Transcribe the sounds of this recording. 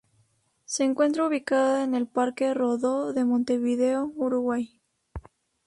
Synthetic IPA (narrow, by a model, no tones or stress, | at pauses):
seːŋkwe̞nt̪ɾauβ̞ikaðoene̞lpaɾkeroðoðe̞mõnt̪e̞βið̞eouɾuɣwaj